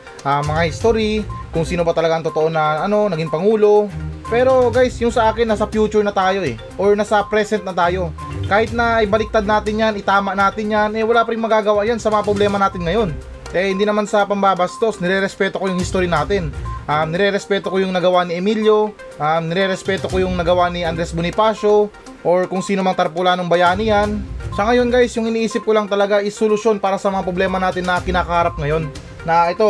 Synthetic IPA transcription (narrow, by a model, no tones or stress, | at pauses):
ʔamɐŋahɪst̪oɾikʊŋsiːnobɐt̪ɐlɐɡaɐŋt̪o̞t̪oʔo̞nɐɐno̞nɐɡiŋpɐŋuːlo̞pɛːɾo̞ɡajsjʊŋsɐʔaːkɪnːɐsɐfjuːt͡ʃʊɹnɐt̪aːjo̞ʔɛ | ʔoɹnasɐpɾɛsɛnt̪̚nɐt̪aːjo̞ | kaːhɪt̪̚nɐʔɐjbɐlɪk̚t̪ad̪̚naːt̪ɪnjanɪt̪aːmɐʔnaːt̪ɪnjanɛwɐlaːpɐɾɪŋmɐɡaːɡɐwaʔjansɐmɐŋapɾoblɛːmɐnaːt̪ɪnŋɐjo̞n | ʔɛhɪnd̪iːnɐmansɐpɐmbaːbɐst̪o̞snɪɾɛɾɛspɛːt̪o̞kojʊŋhɪst̪oɾjɐnaːt̪ɪnʔamnɪɾɛɾɛspɛːt̪o̞kojʊŋnɐɡɐwanɪʔɛmiljo̞ | ʔamnɪɾɛɾɛspɛːt̪o̞kojʊŋnɐɡɐwanɪʔɐnd̪ɾɛsbʊnɪpaːʃo̞ | ʔoɹkʊŋsiːnomɐŋt̪ɐɾpʊlaːnoŋbɐjaːnijɐnʃɐŋɐjo̞nɡajsjʊŋɪniːʔiːsɪp̚kolɐŋt̪ɐlɐɡaʔɪsolʊʃjo̞npaːɾɐsɐmɐŋapɾo̞blɛːmɐnaːt̪ɪnːɐkɪnaːkɐhaːɾɐp̚ŋɐjo̞nː | ɐʔɛt̪o̞